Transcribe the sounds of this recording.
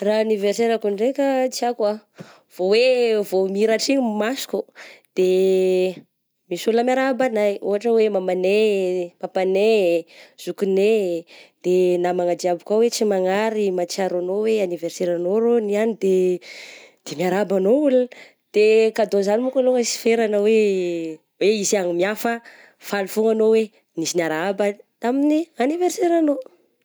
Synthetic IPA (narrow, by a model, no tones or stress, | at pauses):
raaniverseɾakuɳɖ͡ʐekat͡sakwa | v̥owevomiɾaʈ͡ʂiɲmasu̥kʲud̪̥e | misuləmjaɾabanajṵɦaʈ͡ʂəwemamanemapanez̥ukuned̪̥enamaŋad͡ʒ̪iabukawet͡simaŋaɾimat͡ʃiaɾanoweaniverseɾanoɾonianid̪e | d̪̥emiaɾabanoul | d̪̥ekad̪ozanimukaloŋəsi̥feɾanawe | weiziaŋimiafə | falufuŋanowe | nizinaɾabat̪aminianiverseɾano